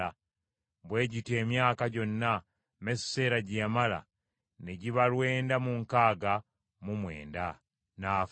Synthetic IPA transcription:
a | βwe̞ːɟite̞ːmjaːkaɟo̞nːa | mesːe̞ːɾaɟemala̰ | neɟiβalwe̞ːndamuŋkaːɡa | mumwe̞̰ːnda | naː

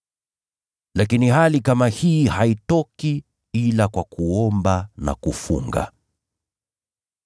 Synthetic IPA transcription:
lakinihalikamahihaitɔki | ilakwakuɔmbana̰kufṵŋɡa̰

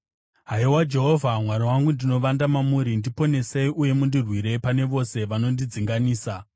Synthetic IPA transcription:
ɦaiwad͡ʒe̞ɦo̞vʱamwaɾiwaŋɡundino̞ʋandamamuɾindipo̞ne̞seiʔuje̞mundirwiɾe̞pane̞ʋo̞se̞ʋano̞ndid͡ziŋɡaniːsa

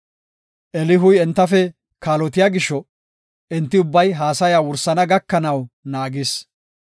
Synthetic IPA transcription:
ʔɛlɪɦʊjɛnt̪ːɐfɛ | kaːlɔt̪ɪjaːɡɪʃːɔ | ʔɛnt̪ːɪʊbːɐjɦaːsɐjaːwʊɾsɐnɐɡɐkːɐnɐwnaːɡɪs

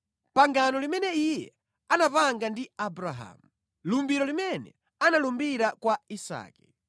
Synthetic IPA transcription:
paŋɡanɔlimɛnɛijɛ̰ | anapaŋɡandiabɾaɦa̰mu | lumbiɾɔlimɛnɛ̰ | analumbiɾakwaisa̰ːkɛ̥

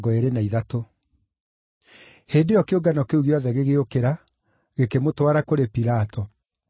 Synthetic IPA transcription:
ɡɔeɾenaiðato | heːdejɔkeoɡanɔkeuɣeɔðɛɣeɣeokeɾa | ɣekemotwaɾakoɾepiɾatɔ

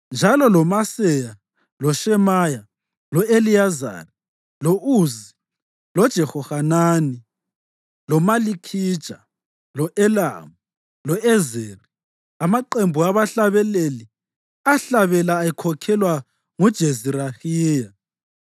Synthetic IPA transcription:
nd͡ʒʱalɔlɔmasɛja | lɔʃɛmaja | lɔelijaza̰ːri | lɔʔuzi | lɔd̥ʒ̥ʱɛxɔhanaːni | lɔmalikʰid̥ʒ̥ʱa | lɔʔɛla̰mu | lɔɛzeːri | amaǃembʱuaβaɬaβɛleli | aɬaβɛlaːikʰɔkʰɛlwa | ŋud̥ʒ̥ʱeziɾaxiːja

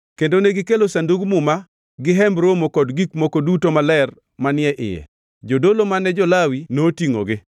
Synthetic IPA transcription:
kendoneɡɪkelosanduɡmʊma | ɡɪɦɛmbɾomokɔdɡikmokodutomalɛr | manɪɛʔɪ̰jɛ̰ | d͡ʒodolomanɛd͡ʒɔlawinotiŋo̰ɡɪ

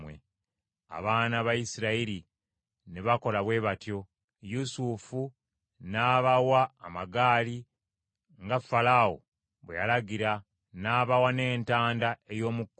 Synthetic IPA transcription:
wḛ | a̰βaːnaβajisiɾaiɾi | neβako̞laβwe̞ːβatjo̞ | jusufu | naːβawaːmaɡaːli | ŋɡafːalawo̰ | βwḛjalaɡiɾa | naːβawane̞ːntaːndae̞jo̞ːmukː

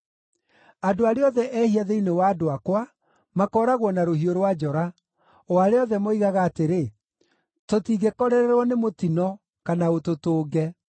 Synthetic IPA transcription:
adoaɾeɔðɛʔɛhiaðeinewaːdoakwa | makɔːɾaɣwɔnaɾohioɾwad͡ʒɔɾa | aɾeɔðɛmoiɣaɣaːteɾe | totiːɣekɔɾɛɾɛɾwɔnemotinɔ | kanaototoːɡɛ

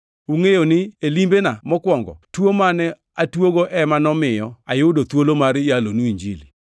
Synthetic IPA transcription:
uŋejonɪelimbenamɔkwɔŋɡɔ̰twomanɛ | atwoɡoʔɛmanɔmɪjɔajʊdot̪wolomaɾjalonuiɲd͡ʒili

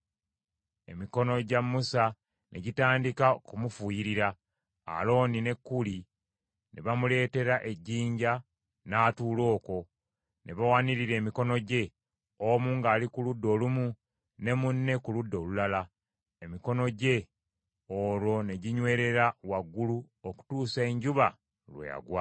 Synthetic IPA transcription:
e̞miko̞no̞ɟamːusa | nʔe̞ɟitaːndikakumufujiɾiɾa̰ː | lo̞ːnine̞kːuli | nʔe̞βamule̞ːte̞ɾaʔe̞ɟːiːɲɟa | naːtuːlo̞ːko̞ | nʔe̞βawaniɾiɾe̞ːmiko̞no̞ɟe̞ | omuːŋɡaːlikuludːo̞ːlumu | ne̞munːe̞kuludːo̞ːlulala | e̞miko̞no̞ɟe̞ | oːɾwo̞ne̞ɟiɲwe̞ːɾe̞ɾawaɡːulu | oku̥tuːsaeɲɟuβa | lwḛja̰ɡwa

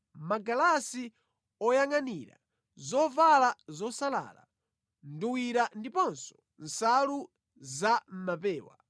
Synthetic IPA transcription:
maɡalasi | ɔjaŋaniɾa̰ | zɔvalazɔsala̰ːla̰ | nduwiɾandipɔnsɔ̥ | n̩salu | zam̩mapɛːwa̰

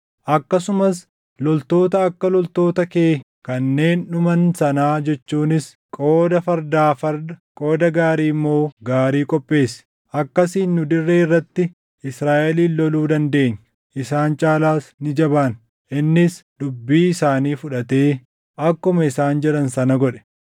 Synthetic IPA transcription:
ʔɐkːɐsʊmɐs | lɔlt̪o̞ːt̪ɐːkːɐlɔlt̪o̞ːt̪ɐke̞ː | kɐnːe̞ːnːʊmɐnsɐnaːd͡ʒɛt͡ʃːuːnɪs | kʼoːd̪ɐfɐɾd̪aːfɐɾdkʼo̞ːd̪ɐɡaːɾiːmːo̞ːɡaːɾiːkʼɔpʼːe̞ːs | ʔɐkːɐsiːnːʊd̪ɪrːeːɪrːɐt̪ːɪ | ɪsɾaːʔɛliːnːɔluːd̪ɐnd̪e̞ːɲː | ʔɪsaːnt͡ʃʼaːlaːsnɪd͡ʒɐbaːn | ʔɪnːɪsd̪ʊbːiːɪsaːniːfʊᶑɐt̪e̞ː | ʔɐkːʊmɐɪsaːnd͡ʒɛᶑɐnsɐnɐɡɔᶑɛ̥

